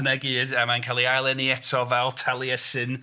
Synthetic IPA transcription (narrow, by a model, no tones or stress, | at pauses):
ənəɡiːdəmankʰaːlˠiajlˠɛniɛtʰɔvɛlˠtʰɛlˠiəsɪn